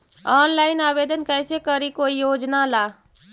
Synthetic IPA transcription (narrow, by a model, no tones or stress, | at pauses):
ɔːnlaːɪnaːbeːd̪ənkɛːsekəɾikoːijoːd͡ʒnalaː